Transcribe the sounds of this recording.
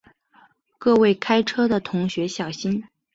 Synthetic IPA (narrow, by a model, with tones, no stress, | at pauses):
kɤ˥˧we˥˩ɪkʰa˥ɪʈ͡ʂʰɤ˥d̪ə˨t̪ʰʊ˧˥ŋɕɥɛ˧˥ɕjɑ˨˩ʊɕi˥n